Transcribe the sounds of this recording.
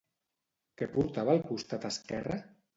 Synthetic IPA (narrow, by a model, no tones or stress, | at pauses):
kepuɾt̪aβalˠkust̪at̪askɛra